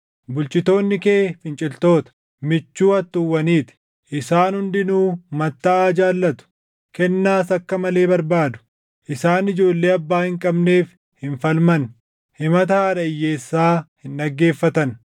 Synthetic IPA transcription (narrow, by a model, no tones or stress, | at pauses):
bʊlt͡ʃʼɪt̪o̞ːnːɪkeːfɪnt͡ʃʼɪlt̪o̞ːt̪ɐ̥ | mɪt͡ʃːuːɐt̪ːʊwːɐniːt̪ɪ̥ | ʔɪsaːnhʊnd̪ɪnuːmɐt̪ːaːd͡ʒaːlːɐt̪ʊ̥ | kɛnːaːsɐkːɐmɐle̞ːbɐɾbaːd̪ʊ̥ | ʔɪsaːnɪd͡ʒo̞ːlːe̞ːɐbːaːhɪŋkʼɐbne̞ːf | hɪɱfɐlmɐn | hɪmɐt̪ɐhaːᶑɐɪjːe̞ːsːaːhɪnɗɐɡːe̞ːfːɐt̪ɐn